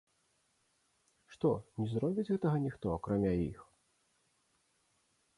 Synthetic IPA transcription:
ʂt̪ɔnʲɛzɾɔbʲit͡sʲɣɛt̪ɐɣɐnʲixt̪ɔakɾamʲaḭx

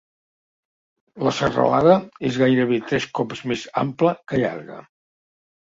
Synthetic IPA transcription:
ləsərə̰laðəezɣajɾəβet̪ɾɛskɔpzmeza̰mpləkəʎa̰ɾɣə̰

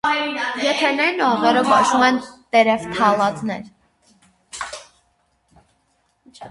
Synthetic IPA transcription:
jɛt̪ʰɛnɛjnɔʁɛɾɔvɑʃumɛnt̪ɛɾɛvt̪ʰɑlɑt͡snɛ̰ɾ

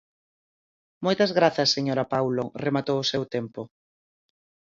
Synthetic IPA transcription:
mojt̪ɐzɣɾaθɐsːeɲoɾɐpawloremat̪owʊsewt̪empʊ

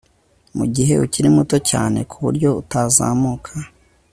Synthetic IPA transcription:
mṵɟiɦe̞̰ʔuciɾimuto̞ca̰ːne̞̰kʰuβuɾɟo̞utaza̰muːkʰa

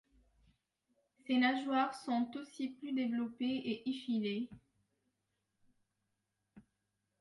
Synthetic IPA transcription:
senaʒwaʁsɔ̃t̪osiplyd̪evlɔpeeʔifile

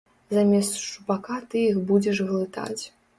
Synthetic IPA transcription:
zamʲɛst̪ʂupakat̪ɨjixbud͡zʲɛʂɣlˠɨt̪a̰t͡sʲ

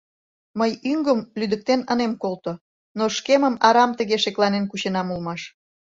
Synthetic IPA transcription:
məjyŋɡəmlyd̪ə̆k̚t̪enənemkolt̪o | noʃkeməmɑɾɑmt̪əɣeʃeklɑnenkuɕenɑmulmɑʃ

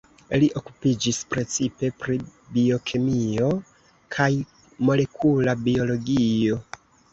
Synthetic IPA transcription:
liʔo̞kupid͡ʒispɾe̞t͡sipe̞pɾibio̞kʰemio̞ | kʰaj | mo̞le̞kʰulabio̞lo̞ɡio̞

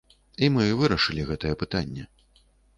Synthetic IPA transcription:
imɨvɨɾɐʂɨlʲiɣɛt̪ɐjɛpɨt̪anʲːɛ

